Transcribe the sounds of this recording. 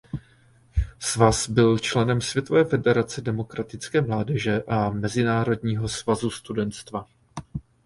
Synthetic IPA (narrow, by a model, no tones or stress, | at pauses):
svasbɪlt͡ʃlɛnɛmsvʲjɛt̪o̞vɛːfɛdɛɾat͡sɛdɛmo̞kɾat̪ɪt͡skɛːmlaːdɛʒɛʔamɛzɪnaːɾo̞dɲiːɦo̞svazust̪udɛnt̪st̪va